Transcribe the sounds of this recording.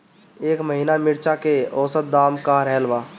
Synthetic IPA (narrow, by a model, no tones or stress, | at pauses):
eːkməɦiːnamɪɾt͡ʃakeɔːsət̪̚d̪aːmkaɾɛːlʋaː